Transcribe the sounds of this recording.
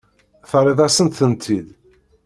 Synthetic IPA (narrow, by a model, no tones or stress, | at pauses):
θɾˤeðˤɑsənt̪θənt̪ʰið